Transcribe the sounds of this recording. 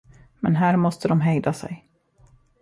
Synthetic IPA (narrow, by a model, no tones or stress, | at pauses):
mɛnɦæːɾmɔst̪əd̪ɔmɦɛjd̪asɛ̰j